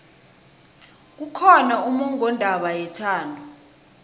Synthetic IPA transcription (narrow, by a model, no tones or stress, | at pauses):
k̬ukʰɔnaʔumuŋɔndʱaɓajɛtʰaːndʱu